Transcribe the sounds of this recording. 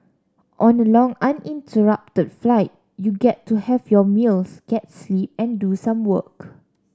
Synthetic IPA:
ʔɔ̃nəlɔ̃ŋãnĩntʰəɹap̚tədflaɪt̚ | juɡɛtʰːuhɛvjɔmilsɡ̥ɛt̚slip̚ɛ̃ndusãmwək

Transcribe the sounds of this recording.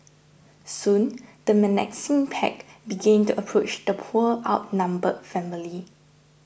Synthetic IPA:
sũnd̥əmənɛ̰ksĩŋpʰɛ̰kbiɡɛ̃ntuʔəpʰɹot͡ʃd̪əpʰuəʔaʊt̚nãmbəfɛ̃mili

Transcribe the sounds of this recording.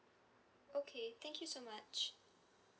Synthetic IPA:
okʰeθɛ̃ŋkʰjusomat͡ʃ

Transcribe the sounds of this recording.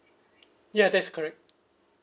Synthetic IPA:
jæd̪ætskʰəɹɛk̚t̚

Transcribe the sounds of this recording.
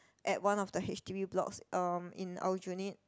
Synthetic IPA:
ʔɛt̚wãnɔfdəhɛt͡ʃtiviblɔ̰ksʔʌmḭ̃na̰ʊd͡ʒunit̚

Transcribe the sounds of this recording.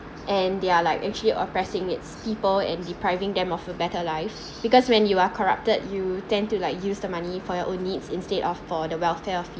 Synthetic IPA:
ʔɛ̃ndealaɪkɛ̰k̚t͡ʃuəliʔɔ̰pɹɛsɪ̃ŋɪtspipəlɛ̰̃ndipɹaɪvɪ̃ŋdɛ̃mɔfəbɛtəlaɪf | b̥ikɔswɛ̃njuakʰɔɹa̰p̚tədjutɛ̃ntulaɪkjusdəmanifɔjɔʔõnːidsĩnstedɔfɔdəwɛlfɛɔfj

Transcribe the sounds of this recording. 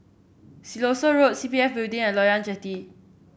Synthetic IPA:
silosoɹot̚sipiɛfbildĩŋɛ̃nlɔjãnd͡ʒɛti

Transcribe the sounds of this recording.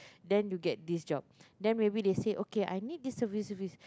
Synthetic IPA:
dɛ̃njuɡɛt̚disd͡ʒɔb̚dɛ̃nmebideseʔokeʔa̰jnid̚disːəvisəvis

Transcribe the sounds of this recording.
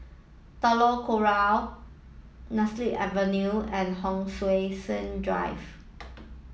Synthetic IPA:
tɔlokoɹal | nasliʔɛvənjuɛ̃nɦɔ̃ŋswesə̃ndɹa̰ɪv

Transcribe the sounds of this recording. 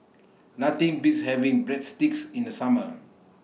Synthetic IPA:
nat̪ĩŋbishɛvĩŋbɹɛt̚stiksĩndəsamə

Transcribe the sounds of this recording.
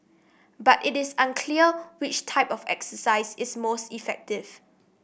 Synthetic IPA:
batɪtɪsãnkʰliəwɪt͡ʃtʰaɪpɔfɛ̰ksəsaɪsɪsmostifɛk̚tɪv

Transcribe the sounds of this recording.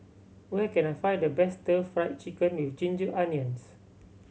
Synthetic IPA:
wɛkɛ̃nafaj̚dəbɛstəfɹajt̚t͡ʃikə̃nwift͡ʃĩnd͡ʒəʔaniə̃ns

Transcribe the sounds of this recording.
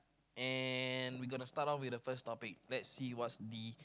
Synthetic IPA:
ɛ̃nwiɡɔ̃nustatɔ̃nwɪdəfəstɔpɪk̚lɛtsːiwɔtsdi

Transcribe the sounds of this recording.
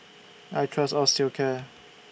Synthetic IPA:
aɪtʰɹ̥ʌstalstɪlkʰɛ

